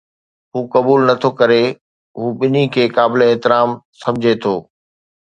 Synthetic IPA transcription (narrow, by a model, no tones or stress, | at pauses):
ɦuːkɐbuːlnɐt̪ʰokɐɾe | ɦuːɓɪnikʰeːkaːbɪleɛɦt̪ɪɾaːmsɐ̃md͡ʑʱet̪ʰoː